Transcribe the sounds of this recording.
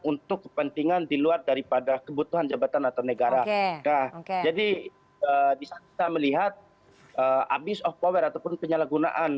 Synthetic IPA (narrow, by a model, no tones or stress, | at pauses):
unt̪ʊkːə̥pənt̪iŋandiluardaɾipadakəbut̪uɦand͡ʒabat̪anat̪awnəɡaɾakahkd͡ʒadi | əbisaki̥t̪aməliɦat̪̚ | ʔəa̰bɪsɔfpowɛɾat̪awpʊnpəɲalaɡuna̰ʔan